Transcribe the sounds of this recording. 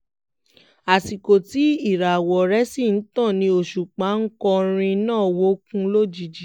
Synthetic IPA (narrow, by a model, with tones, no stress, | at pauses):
a˨si˨ko˨ti˨˦i˦˨ɾa˨wɔ˨ɾɛ˨˦si˦˨n̩˨˦tã˦˨nĩ˧o˧˨ʃu˨k͡pa˨˦ŋ̩˦kɔ˧ɾ̃ĩ˧nãː˦˨wo˦kũ˦lo˦˨d͡ʒi˨˧d͡ʒi˨